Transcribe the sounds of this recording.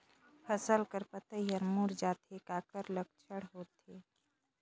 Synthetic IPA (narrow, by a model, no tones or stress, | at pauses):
pʰəsəlkəɾpət̪əijəɾmuːɾd͡ʒaːt̪ekaːkəɾləɡ̚t͡ʃʰəɽɦoːt̪eː